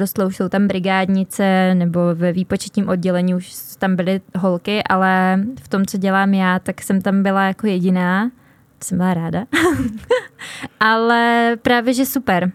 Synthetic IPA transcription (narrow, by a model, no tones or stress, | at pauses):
ɾost̪lɛuʃso̞wt̪ambɾɪɡaːdɲɪt͡sɛnɛbo̞vɛviːpo̞t͡ʃɛ̥t̪ɲiːmʔo̞d̚ɟɛlɛɲiːuʃt̪ambɪlɪɦo̞lkɪʔalɛft̪o̞mt͡so̞ɟɛlaːmjaːt̪aksɛmt̪ambɪlajako̞jɛɟɪnḁː | sɛmbɪlaɾaːda | ʔalɛpɾaːvjɛʒɛsupɛɾ